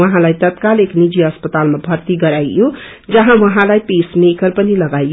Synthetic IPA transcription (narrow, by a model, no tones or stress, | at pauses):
ʌɦãlajt̪ʌt̪̚kaleknid͡ʒiʌspət̪almabʱʌɾt̪iɡʌɾajjo | d͡zʌɦãwʌɦãlajpesmekəɾpənilʌɡaj